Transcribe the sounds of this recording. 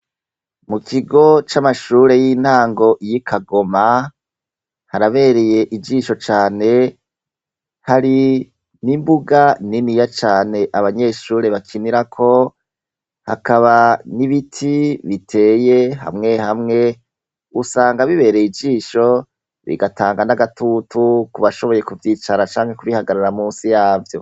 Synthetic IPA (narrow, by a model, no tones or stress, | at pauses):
mukʰiɡo̞t͡ʃamaʃuːɾe̞jin̥haːŋɡo̞ʔijikʰaɡo̞ma | haɾaβe̞ːɾe̞je̞ʔid͡ʒiːʃo̞t͡ʃaːne̞ | haɾi | nimbuɡaninijat͡ʃaːne̞ʔaβaɲe̞ːʃuːɾe̞βakʰiniɾakʰo̞ | ha̰kaβaniβitʰiβitʰe̞ːje̞ɦa̰mŋe̞hamŋe̞ | usaːŋɡaβiβe̞ɾeid͡ʒiːʃo̞ | βḭɡataːŋɡanaɡatʰutʰukuβaʃo̞βo̞je̞kuvjiːt͡ʃaɾat͡ʃaːŋhe̞kuβihaɡaɾaɾamuːsijaːvjo̞̰